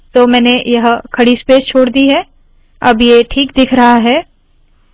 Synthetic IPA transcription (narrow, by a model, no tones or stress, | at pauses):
t̪oːmɛːnejɐɦkʰɐɽispeːst͡ʃʰoːɽd̪iɦɛː | ɐbjeʈʰiːkd̪ɪkʰɾɐɦaɦɛː